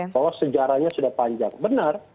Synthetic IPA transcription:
bawasəd͡ʒaɾahɲasudahpaɲd͡ʒaŋbənar

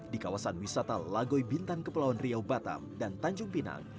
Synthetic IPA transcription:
dikawasanwisat̪alaɡɔjbint̪ankəpəlawanriawbat̪a̰mdant̪aɲd͡ʒʊŋpina̰ŋ

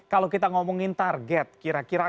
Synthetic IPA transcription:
kalokit̪aŋɔmɔŋint̪arɡɛt̪̚kiɾakiɾa

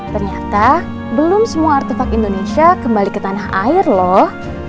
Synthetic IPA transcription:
t̪ərɲat̪a | bəlʊmsəmuaːrt̪efakindonesiakəmbalikət̪anaɦa̰ɪrlɔh

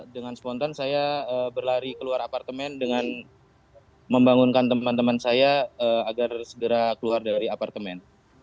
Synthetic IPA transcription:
dəŋanspɔnt̪ansajaəbərlaɾikəluaɾapart̪əmɛndəŋan | məmbaŋunkant̪əmant̪əmansajaəːaɡarsəɡəɾakəluardaɾiapart̪əmɛn

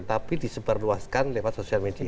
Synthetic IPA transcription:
t̪apidisəbərluaskanlewat̪sosialmedi

